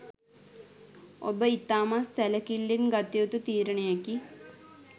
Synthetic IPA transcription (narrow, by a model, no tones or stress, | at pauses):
o̰bəit̪aːmasːæləkilːinɡat̪iot̪ut̪iːɾəɳəjeki